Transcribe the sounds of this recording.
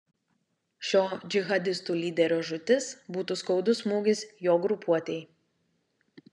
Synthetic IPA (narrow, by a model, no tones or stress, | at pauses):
ʃʲoːd͡ʒʲɪɣɐd̪ʲɪst̪uːlʲiːd̪ʲɛɾʲoːʒʊt̪ʲɪsbuːt̪uːˑskɐʊd̪ʊsmuːɡʲɪsjoːɡɾʊpʰuɔt̪ʲɛɪ